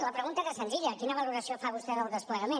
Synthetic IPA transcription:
ləpɾəɣunt̪azesənziʎəkinəβ̞ɐluɾɐsiofaβust̪ɛðəlˠðəspləɾɐmẽ

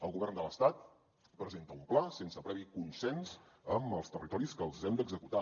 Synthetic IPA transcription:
əlˠɣuβɛrnd̪ələst̪at̪̚ | pɾəzent̪əumplasensəpɾɛβikunsɛnz | əməlˠst̪ərit̪ɔɾiskəlˠzɛmd̪əɡzəkut̪a

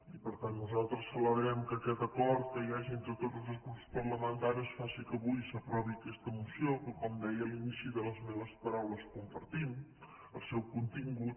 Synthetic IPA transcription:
ipəɾt̪anːuzalˠt̪ɾəsːələβɾɛmkəːkɛt̪əkɔɾt̪̚kəjaʒient̪ɾət̪ot̪lˠzəskuspəɾləməant̪aɾiəsfasikəβujsəpɾɔβiəkɛst̪əmusiokəkɔmd̪ɛjəlˠinisiðələzmɛβəspəɾawləskumpəɾt̪im | əlˠsɛwkunt̪iŋɡut̪̚

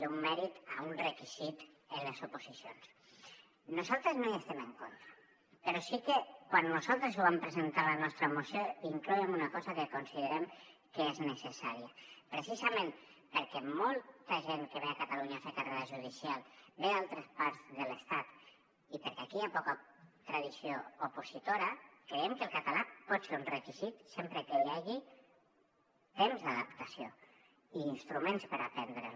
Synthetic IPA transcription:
d̪ummɛɾit̪aunrekiz̥it̪enlezupuzisjons | nuzalˠt̪ɾeznoiest̪eməŋkont̪ɾa | peɾɔsikekwanːuzalˠt̪ɾezuβampɾezent̪alanɔst̪ɾəmusjoiŋklɔemunakɔzakekonsiðəɾemkeeznəsesaɾiəpɾesizamẽm | pəɾkɛmɔlˠt̪əʒeŋkeβeakat̪aluɲasekareɾaʒuðisialˠbealˠt̪ɾəspaɾzðələst̪at̪ | ipəɾkɛakiapɔkət̪ɾəðisioupuzit̪oɾəkɾeemkəlˠkat̪alapɔt̪seɾunrəkizit̪sempɾəkeʎaɣi | t̪emzðaðəpt̪asio | iːnst̪ɾumẽnspəɾapɛnd̪ɾə

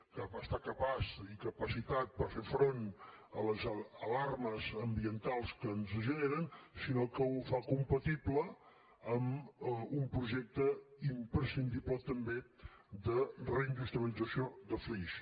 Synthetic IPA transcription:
kəβast̪akəpasikəpəsit̪at̪̚pəɾfefɾonələzəlarməzəmbiənt̪alˠskənzəʒəneɾənsinokəufakumpət̪iblə | əmumpɾuʒɛk̚t̪əimpɾəsind̪iblət̪əmbe | d̪ərəind̪ust̪ɾəβəlid͡zəsiod̪əfliʃ

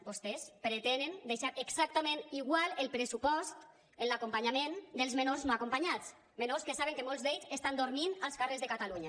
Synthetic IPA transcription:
post̪espɾet̪enend̪eʃaɾʔeksak̚t̪ameniɣwalelˠpɾesupɔst̪ | enlakompaɲamend̪elˠzmenoɾznoakompaɲat͡s | menoɾskesaβeŋkemolˠzðd̪eʎzest̪and̪oɾminalˠskarezðekat̪aluɲa

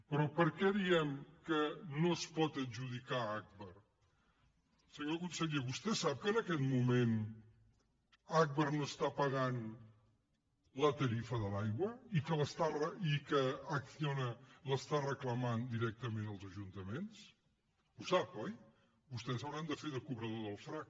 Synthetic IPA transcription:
pɾɔpəɾkɛðiɛmkənospɔt̪əd͡ʒuð̞ikaak̚βəɾ | səɲokunsəɣeβust̪ɛsap̚kənəkɛt̪mumen | ak̚βəɾnoəst̪apəɣan | lət̪əɾifəðəlajɣwəikələst̪arəikəːksionələst̪arəkləmand̪iɾɛk̚t̪əmenəlˠzəʒunt̪əmens | usapɔj | bust̪ɛsawɾand̪əfeðəkuβɾəðoðəlˠfɾak̚

